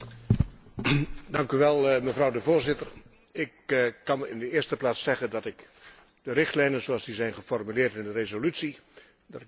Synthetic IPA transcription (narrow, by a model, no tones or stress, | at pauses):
dɑŋkyʋɛlˠməvrɑwdəvoːɹzɪtər | ɪkːɑnɪndəɪːstəplaːtsɛɣəndɑtɪk | d̥əɾɪχtlɛjnənzoɑlˠzdizɛjnχəfɔrmylɪːrtɪndərezolytsi | dɑtɪ